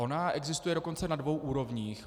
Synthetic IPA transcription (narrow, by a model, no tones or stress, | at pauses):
ʔo̞naʔɛɡzɪst̪ujɛdo̞ko̞nt͡sɛnadvo̞wʔuːɾo̞vɲiːx